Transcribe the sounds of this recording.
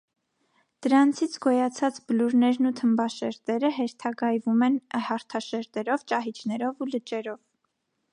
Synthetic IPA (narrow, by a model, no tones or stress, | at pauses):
d̪̥əɾɑnt͡sʰit͡sʰɡɔjɑt͡sʰɑt͡sbəluɾnɛɾnut̪ʰəmbɑʃɛɾt̪ɛɾəɦɛɾt̪ʰɑɡɑjvumɛnhɑɾt̪ʰɑʃɛɾt̪ɛɾɔvt͡ʃɑɦit͡ʃʰnɛɾɔvulət͡ʃɛɾɔv